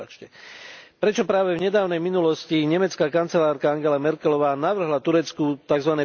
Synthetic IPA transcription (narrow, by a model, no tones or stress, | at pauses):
at͡ʃcɛpɾɛt͡ʃɔpɾaːʋɛvɲɛd̪aːʊnɛjminulɔsciɲɛmɛt͡skaːkant͡sɛlaːɾkaaŋɡɛlamɛɾkɛlɔʋaːnaʋr̩ɦlat̪uɾɛt͡skut̪aɡzʋanɛː